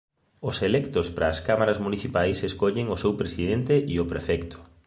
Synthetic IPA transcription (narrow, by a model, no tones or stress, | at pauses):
ʊselɛkt̪ʊspɾɐːskamaɾɐzmuniθipajseskoʎɪŋʊsewpɾesiðent̪eʔiʊpɾefɛkt̪ʊ̥